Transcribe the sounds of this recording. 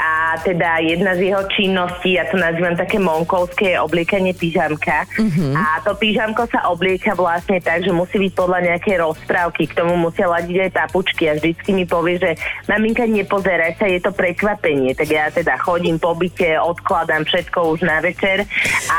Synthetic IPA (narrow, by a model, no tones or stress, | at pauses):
ʔat̪ɛd̪ajɛd̪nazjɛɦɔt͡ʃinːɔsciːjat̪ɔnaziːʋamt̪akɛːmɔŋkɔʊskɛjɛʔɔblɪɛkaɲɪɛpiʒamkaat̪ɔpiʒamkɔsaʔɔblɪɛkaʋlasɲɛt̪aɡʒɛmusiːbic̚pɔd̪laɲɛakɛjɾɔspɾaʊkikt̪ɔmumusɪalaɟiɟajpaput͡ʃkiavʒd̪it͡skimipɔʋɪɛʒɛmamiŋkaɲɛpɔzɛɾasajɛt̪ɔpɾɛkʋapɛɲɪɛt̪aɡjat̪ɛd̪axɔɟiːmpɔbicɛɔt̪klad̪amfʃɛt̪kɔuʒnaʋɛt͡ʃɛɾa